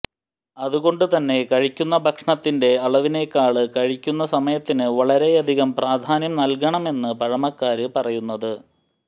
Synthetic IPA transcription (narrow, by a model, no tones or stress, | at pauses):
ɐðuɣo̞ɳɖɨt̪ɐnːe̞kɐɻikʲːunːɐbʱɐkʂɳɐt̪ːinde̞ɐɭɐʋine̞kːaːɭɨkɐɻikʲːunːɐsɐmɐjɐt̪ːinɨʋɐɭɐɾe̞jɐd̪ʱiɣɐmpraːd̪ʱaːnjɐmnɐlk̬ɐɳɐme̞nːɨpɐɻɐmɐkːaːɾɨpɐrɐjunːɐðɨ